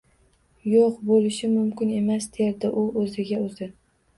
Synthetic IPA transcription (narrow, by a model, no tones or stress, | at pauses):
joqbolɪʃɪmʊmkʲɪne̞masd̪ejaɾd̪aʔʊʔɵzɪɡʲaɵzɪ